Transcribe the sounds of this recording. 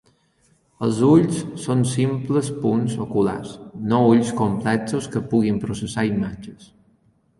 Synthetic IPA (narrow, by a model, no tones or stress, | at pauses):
əlˠzuʎsːonsimpləspunzokula̰snouʎskomplɛksoskəpuɣimpɾusəsaimad͡ʒəs